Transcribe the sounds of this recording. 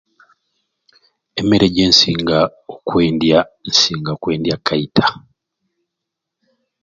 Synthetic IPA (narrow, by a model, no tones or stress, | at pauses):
emeɾeɟeːnsiːŋɡaokwe̞ːndjan̩siːŋɡaokwe̞ːndjakʰːaitʰḁ